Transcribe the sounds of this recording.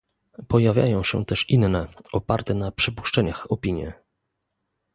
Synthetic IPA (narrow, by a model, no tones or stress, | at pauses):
pɔjavʲja̰jɔ̃w̃ɕɛ̰t̪ɛʂinnɛɔpaɾt̪ɛnapʂɘpu̥ʂt͡ʂɛɲaxɔpʲiɲjɛ̰